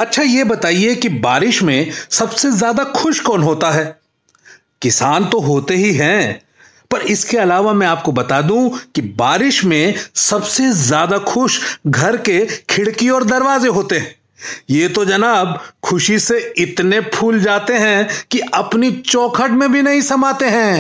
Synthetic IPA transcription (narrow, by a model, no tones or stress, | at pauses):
ɐtːʃʰajebɐt̪aːiekibaːɾɪʃmẽsɐbsezjaːd̪axʊʃkɔːnɦoːt̪aɦɛː | kɪsaːnt̪oɦoːt̪eɦiɦɛ̃ | pɐɾɪskeɐlaːʋamɛ̃aːp̚kobɐt̪aːd̪ũkibaːɾɪʃmẽsɐbsezjaːd̪axʰʊʃɡʱɐɾkekʰɪɽkiɔːɾd̪ɐɾʋaːzeɦoːt̪eɦɛ̃ː | jeːt̪od͡ʒɐnaːb̚kʰʊʃiseɪt̪nepʰuːld͡ʒaːt̪eɦɛ̃kiɐpnit͡ʃɔːkʰəʈmẽbʱinɐɦĩsɐmaːt̪eɦɛ̃ː